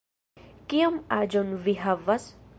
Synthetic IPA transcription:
kiomad͡ʒonviɦavas

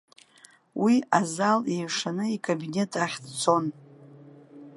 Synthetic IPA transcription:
wʔiazalejʂanɨikʼabine̞tʼaχʲdt͡sʰo̞n

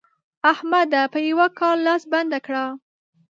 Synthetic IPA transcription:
ahmad̪apəjawakɑlːɑsband̪akɽa

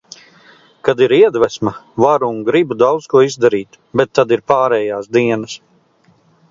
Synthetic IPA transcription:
kad̪iɾiɛd̪væsmavaɾuŋɡɾibud̪awd̪skuɔizd̪aɾiːt̪ | bɛt̪ːad̪iɾpaːɾɛːjaːsd̪iɛnɐs

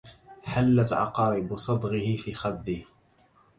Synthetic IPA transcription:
ħalːat̪ʕɑ̰qɑːɾɪbsˤɑd̪ˤɣɪhɪfiːxad̪ːɪh

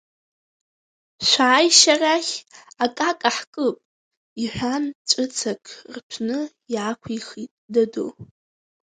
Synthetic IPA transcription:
ʃʷaːjʃaraχʲakʼakʼaħkʼɨpʼ | iħʷᶣant͡ʃʷʼɨt͡sʰakʼʰrpʷʰnɨ | iakʷʰijχitʼdado̰

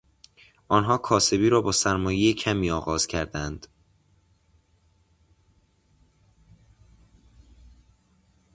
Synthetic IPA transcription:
ʔɒːnɦɒːkʰɒːse̞biːɾɒːbɒːsæɾmɒːjejecʰæmiːɒːɣɒːz̥cʰæɾd̪ænd̪̥

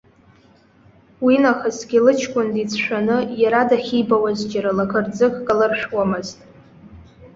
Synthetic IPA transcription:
winaχasɡʲɪlɨt͡ʃʰkʷʼʊndit͡sʰʃʷᶣanɨjaɾadaχʲijbawazd͡ʒʼaɾalakʰɨrd͡zɨkʼkʼalarʂwamɨztʼ

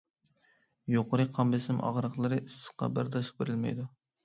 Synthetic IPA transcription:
joqʰʊɾɨqʰɑmbɪsɪmʔɑ̰ʁɾəqlˠɨɾɨʔisːə̥qːɑ̰bæɾd̪ɑʃbeɾɪlmɛ̰jd̪u

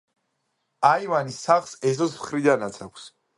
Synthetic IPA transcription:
aivanisaχlsɛs̬ɔsmχɾid̪anat̪sʰakʷʰs

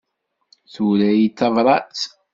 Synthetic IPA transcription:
θuɾæjit͡sːɑvɾˤɑt͡s

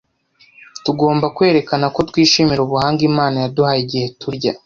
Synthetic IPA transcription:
tuɡo̞ːmbakwe̞ːɾe̞kanako̞twiːʃiːmiɾouβuhaːŋɡimaːnajaduhajiɟihe̞tuɾɟa

